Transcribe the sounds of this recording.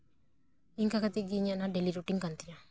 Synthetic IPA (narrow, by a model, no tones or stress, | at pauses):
iŋkakat̪iɡiɲanaɖeliɾuʈiŋkant̪ina